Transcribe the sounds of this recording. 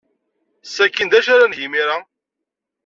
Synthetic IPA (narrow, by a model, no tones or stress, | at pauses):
sækːind̪æʃaɾanʝimiɾa